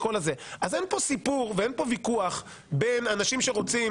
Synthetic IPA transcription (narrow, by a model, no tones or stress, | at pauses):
ko̞laze̞aze̞npo̞sipuʁvee̞npo̞vikuaχ | be̞nanaʃimʃe̞ʁo̞t͡si